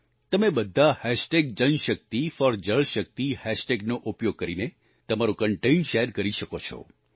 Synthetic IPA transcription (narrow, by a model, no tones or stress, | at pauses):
t̪əmebəd̪ʱːahɛʃʈeɡ̚d͡ʒənʃək̚t̪ifɔɾd͡ʒəɭʃək̚t̪ihɛʃʈeɡnoʔupjoɡ̚kəɾine | t̪əmaɾukəɳʈeinʃeɾkəɾiʃəkot͡ʃʰɔ̰